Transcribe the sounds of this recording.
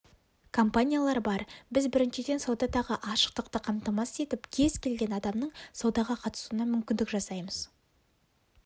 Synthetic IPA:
kʰompanʲijalˠɑɾbɑɾbɪzbɪɾɪnʃɪd̪e̞nsɑwd̪ɑt̪ɑʁəʔɑʃə̥q̚t̪əqt̪əqʰɑmt̪ɑmɑse̞t̪ɪpkʲʰe̞zkʲʰe̞lɡʲe̞nɑd̪ɑmnəɴsɑwd̪ɑʁɑqʰɑt̪ə̥sunɑmʏmkʲɪnd̪ɪkʒɑsɑjməz̥

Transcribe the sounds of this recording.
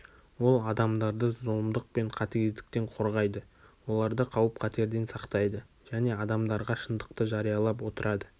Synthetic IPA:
wo̞lˠɑd̪ɑmd̪ɑɾd̪əzolˠmd̪əq̚pe̞ɴqʰɑt̪ɪɡʲɪzd̪ɪ̥k̚t̪e̞ɴqʰo̞ɾʁɑjd̪ə | wo̞lˠɑɾd̪əqʰɑwəp̚qʰɑt̪e̞ɾd̪e̞nsɑqt̪ɑjd̪ə | ʒ̥æne̞ɑd̪ɑmd̪ɑɾʁɑʃənd̪əqt̪əʒɑɾijɑlˠɑp̬wo̞t̪əɾʔɑd̪ə

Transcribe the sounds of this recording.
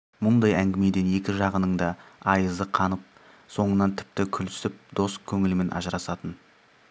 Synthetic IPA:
mʊnd̪ɑjæŋɡʲɪme̞d̪e̞ne̞kʲɪʒɑʁənəɴd̪ɑɑjəzəqʰɑnəp̚ | so̞ɴənɑnt̪ʰɪ̥p̚t̪ɪkʲʰʏlʏ̥sɪp̚d̪̥o̞skʲʰɵŋɪlɪmɪnʔɑ̰ʒəɾɑsɑt̪ən

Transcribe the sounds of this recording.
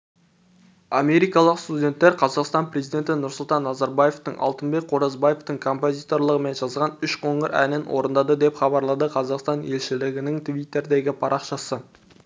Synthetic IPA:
ɑme̞ɾijkɑlˠəqst̪udʲe̞nt̪ːe̞ɾqʰɑzɑqst̪ɑnprʲe̞zijd̪ʲe̞nt̪ɪnʊɾsʊlˠt̪ɑnːɑzɑɾbaje̞ft̪əɴʔɑ̰lˠt̪ənbe̞k̚qʰoɾɑzbaje̞ft̪əŋkʰo̞mpo̞zʲit̪o̞rlˠəʁəme̞nʒɑzʁɑnʏʃqʰoɴəɾʔæ̰nɪnwoɾənd̪ɑd̪əd̪e̞pχɑbɑɾlˠɑd̪əqʰɑzɑqst̪ɑne̞lʃɪlɪɡʲɪnɪŋt̪vʲijt̪ːe̞ɾd̪e̞ɡʲɪpʰɑɾʔɑqʃɑsə

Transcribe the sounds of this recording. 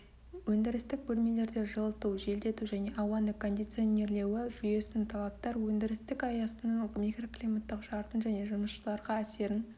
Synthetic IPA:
wɵnd̪ɪɾɪst̪ɪk̚bɵlme̞le̞ɾd̪e̞ʒəlˠət̪uwʒe̞ld̪e̞t̪uʒæne̞ʔɑwɑnəkʰo̞nd̪ijt̪sione̞ɾle̞wɪʒʏje̞sɪnt̪ʰɑlˠɑp̚t̪ɑɾwɵnd̪ɪɾɪst̪ɪkɑjɑsənəɴmʲikro̞klijmat̪ːəqʃɑɾt̪ənʒæne̞ʒʊməsʃəlˠɑɾʁɑæse̞ɾɪn

